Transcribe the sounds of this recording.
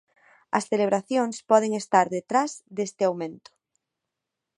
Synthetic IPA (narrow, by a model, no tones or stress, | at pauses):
ɐsθeleβ̞ɾaθjoŋspɔð̞eŋest̪aɾðet̪ɾazðest̪eawmẽnt̪ʊ̥